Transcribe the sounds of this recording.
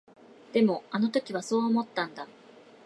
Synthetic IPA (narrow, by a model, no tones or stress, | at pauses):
d̪̥e̞mo̞ano̞t̪o̞kʲiβ̞aso̞ːmo̞t̪ːãnd̪a